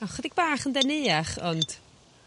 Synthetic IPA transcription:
aχwɛdɪɡ̚baːχəndɛnɪːaχɔnd̥

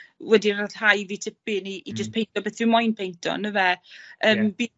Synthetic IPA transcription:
wɛdiraðhajviːtʰɪpɪniːd͡ʒəspʰejntʰɔbɛθɪmɔjnpʰejntʰɔ̰nəvɛəːmbi

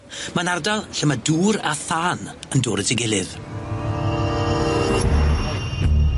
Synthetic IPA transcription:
manardalˠɬəmaduːɾa̰θaːnəndʊːɾətʰɪɡɪlˠɨð

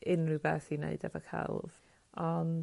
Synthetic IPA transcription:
ɪnrɨbɛθineɨdɛvɔkʰa̰lˠv | ɔn

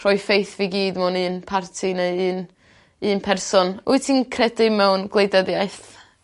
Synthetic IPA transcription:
rɔjfejθviɡiːdmʊnɨːnpʰartʰinəɨːn | ɨːnpʰɛrsɔnuɨtʰinkʰrɛdɪmɛwnɡlˠejdɛdjajθ

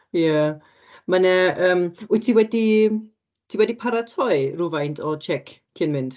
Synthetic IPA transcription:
ja | manɛəːmʊtʰiwɛdi | tʰiwɛdipʰaɾatʰɔɨruvajntʰɔt͡ʃʰɛkʰ | kʰːiənmɪnd̥

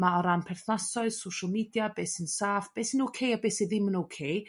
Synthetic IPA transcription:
maɔɾanpʰɛrθnasɔɨðsowʃəlˠmiːdjabeːsɪnsaːfb̥eːsinowkʰejabeːsiðɪmːənowkʰej

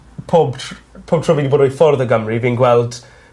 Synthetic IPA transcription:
pʰoːbtpʰoːb̚tʰrɔvidiboːdɔjfɔrðəɡəmriviːnɡwɛlˠd̥

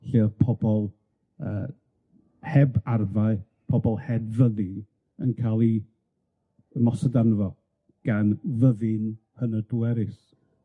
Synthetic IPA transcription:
ɬeːrpʰɔbɔlˠ | əː | hɛbarvaɨ | pʰɔbɔlˠhɛbvəðɨ | ə̰nkʰalˠi | mɔsədanəvɔ | ɡ̥anvəðɨn | hənəduɛɾɨs

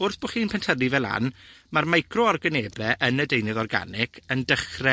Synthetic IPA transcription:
ʊrθb̥ɔχiːnpʰɛntʰəlivɛlˠa̰n | marmajkʰrɔɔrɡəneːblɛʔənədejnɨðɔrɡa̰nɪkʰəndəχrɛ

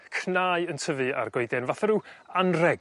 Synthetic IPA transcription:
kʰnaːjəntʰəvɨa̰rɡoɨdɛnvaθaɾuːanrɛɡ

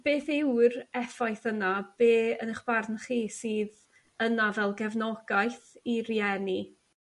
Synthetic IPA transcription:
b̥eːθɪwrɛfajθənab̥eːənəχb̥ardnχiːsiːð | ənavɛlˠɡɛvnɔɡajθiriɛni

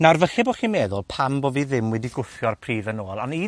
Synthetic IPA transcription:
narvəɬɪboχiːmeːðʊlˠpʰamboːviðɪmwɛdiɡʊfjɔrpʰr̥iːðənoːlˠani

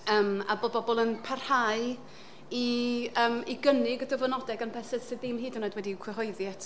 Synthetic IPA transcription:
əːma̰bɔbɔbɔlˠənpʰarhaɨ | iəːmiɡənɪɡdəvɔnɔdɛɡanpʰɛsɛd̥sɪðɪmɦiːdunadwɛdikʰwɛɦɔɨðjɛtʰ

